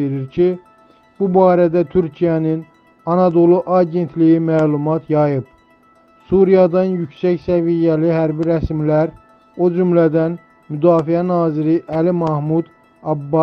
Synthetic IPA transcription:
eɾiɾcʰi | b̥ubɑːɾæd̪æt̪ʰyɾcʰijænin | ɑnɑd̪o̞lˠuʔɑɟe̞nt̪ʰlijimæːlˠumɑt̪ʰjɑjɯp | suɾijɑd̪ɑnjycsæcsævijæliɦæɾbiɾæsmlæɾ | o̞d͡ʒymlæd̪æn | myd̪ɑːfiænɑːziɾiʔælimɑhmud̪ | ɑbːɑ

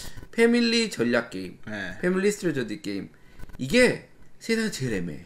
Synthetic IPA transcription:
pʰemilːit͡ɕʌʎːak̚k͈e̞imnepʰemilːisʰtʰɾed͡ʑodik͈e̞imiɡe̞sʰesʰaŋt͡ɕe̞ɾemḛ

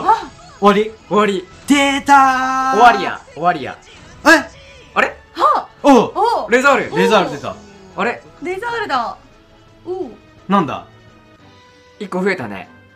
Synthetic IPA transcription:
a | oβaɾʲioβaɾʲi | d̪et̪aoβaɾʲijã̰oβaɾʲijã̰ | ae | aɾe | ha | oɾezaɾɯ̟ɾezaɾɯd̪esa̰aɾe̞ɾezaɾɯd̪a | o | nãnd̪a̰ | ikːoɸɯe̞t̪anḛ

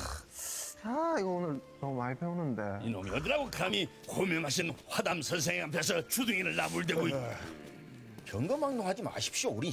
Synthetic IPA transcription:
aiɡʌonɯɭnʌumaɭpʰeonɯnde̞ino̰mʌdɯɾaɡokʰɯami | komjʌŋɦaɕ̬ʰinhwadamsʰʌns̬ʰeŋɦamp̬ʰjes̬ʰʌt͡ɕuduŋiɾɯɭnamuɭdeɡoit | kjʌŋɡʌmaŋdoɦad͡ʑima̰ɕʰi̥p̚ɕ͈iouɾi

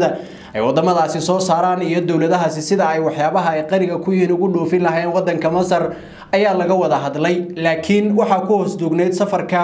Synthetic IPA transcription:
ðɐ | ɛ̰jwɑd̪ɐmɐðaːsɪsɔːsaːɾaːnijɞd̪ɔwlɐðɐɦɐsɪsɪðɐɛjwɑħjaːβɐɦɐɛjqɑɾɪɣɐkʰʊjɪnʊɣʊɖɔːfɪnlɐɦɛːnwɑd̪ːɐŋkʰɐmɐsɐr | ɐjaːlɐɣɐwɐðɐɦɐd̪lɛjlaːkʰɪnwɑħɑːkʰʊhɔsd̪ʊːɡnɛjd̪sɐfɐrkʰɐ

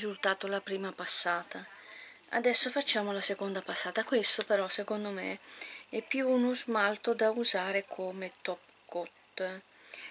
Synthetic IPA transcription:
zult̪aːt̪olapɾiːmapasːaːt̪a | a̰d̪ɛsːofat͡ʃːaːmolasekond̪apasːaːt̪akwest̪opeɾɔsekond̪omḛɛpːjuːnuzmalt̪od̪auzaːɾekʰoːmet̪ɔp | kot̪ː

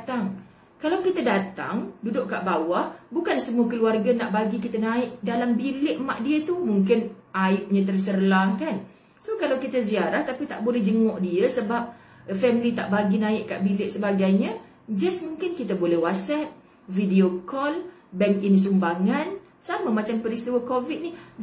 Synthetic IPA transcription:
t̪aŋ | kalawkit̪adat̪a̰ŋdudʊʔkːaʔbawahbukansəmuəkəluarɡanaʔbaɡikit̪ənãɪʔ̚dalambilɪʔmaʔdiət̪umuŋkɪnʔajʊʔ̚ɲãt̪̬ərsərlahkan | sohkalawkit̪əz̬iaɾaht̪apit̪aʔbolɛhd͡ʒəŋɔʔdiəsəbap̚ | fɛmilit̪aʔbaɡinãɪʔka̰ʔbilɪʔsəbaɡajɲə̃ | d͡ʒasmũŋkɪnkit̪əbolɛhwatsɛp̚ | fidiokɔlbɛŋkɪns̬umbaŋãn | saməmat͡ʃampəɾist̪iwəkovit̪̚nih

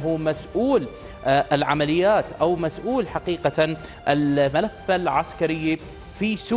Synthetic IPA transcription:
ɦumasʔuːl | ʔɪlʕa̰malɪjːaːt̪ʔawmasʔuːlħaqiːqa | ʔɪlmalafːalʕaskaɾɪjːi | fisu

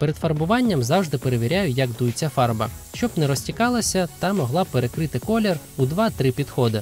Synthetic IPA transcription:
peɾed̪fɐrbʊʋɑnʲːɐmzɑwʒd̪ɪpeɾeʋʲiɾʲajʊjɐɡd̪ujɪt͡sʲːɐfɑrbɐ̰ʃt͡ʃɔbnɛɾɔsʲtʲikɑlˠɐsʲɐt̪ɑmɔɦlˠɑpeɾekɾɪt̪ɪkɔlʲerud̪ʋɑt̪ɾɪpʲid̪xɔd̪ɪ

